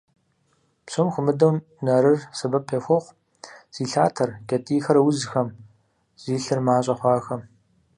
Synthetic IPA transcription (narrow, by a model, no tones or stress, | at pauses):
psomxʷʊmɨdɐw | nɐɾɨrsɐbɐpʰexʷɔχʷ | z̥iːɬaːtʰɐrkʲʼɐtʼiːxɐɾɐwʊzxɐm | z̥iːɬɨrmaːɕʼɐχʷɑːxɐm